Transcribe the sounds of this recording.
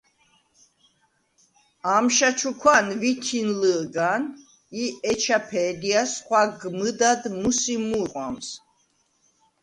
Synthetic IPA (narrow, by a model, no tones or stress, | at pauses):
amʃat͡ʃʰukʰwanvit̪ʰinləɡan | iɛt͡ʃʰapʰɛːd̪iasχwaɡmɨd̪ad̪musimuqʼwams